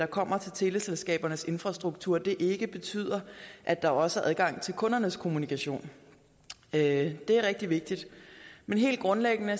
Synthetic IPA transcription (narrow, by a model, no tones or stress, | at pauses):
d̥ɑ̈kʰɒ̽m̰ɐt͡sʰe̝lt͡sʰe̝ləselsɡ̥ɛ̰ːb̥ɐnəse̝nfʁɑ̈sd̥ʁuɡ̥̚t͡sʰuɐ̰d̥e̝ʔeɡ̥əb̥e̝t͡sʰy̰ːð̰ˠɐʔæd̥ɑ̈ɒ̽səæɐʔæð̞ˠɡ̥ɑ̈ŋ̰t͡sʰe̝lkʰɔ̽nɐnəskʰo̝munikʰæɕo̝̰ːn | d̥e̝æɐʁɛɡ̥̚d̥iʋe̝ɡ̥̚d̥id̥menɦe̝̰ːld̥̚ɡ̥ʁɔ̽nleɡ̥ənə